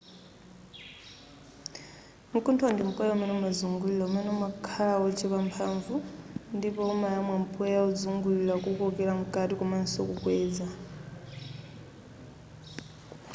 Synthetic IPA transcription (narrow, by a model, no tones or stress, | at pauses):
mukʰʼuntʰandim̩pʼɔjaumɛnɛmazuŋɡulilaumɛnɛmakʰaɺaɔt͡ʃʰiβampʰaɱvundipɔːmajamwam̩pʼɔjaud͡zuŋɡulilakukɔkʼɛɺam̩kʼatʼikɔmansokukʼwɛːd͡za